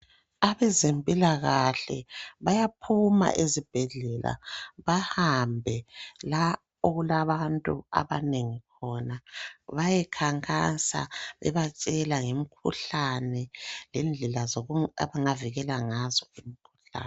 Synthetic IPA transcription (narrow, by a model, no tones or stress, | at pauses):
aβɛzempʼilaɣaɬɛ̰βajapʰuma̰ʔezib̥ʱɛɮɛla̰βahambʱɛla | oɣulaβantʼṵa̰βaneŋikʰɔnaβajɛkʰaŋkʼasa̰βɛ̰βat͡ʃʼɛlaŋem̩kʰṵɬanɛlɛnd͡ɮʱɛlazoa̰βaŋaviɣɛlaŋazɔim̩kʰu̥ɬa̰ːn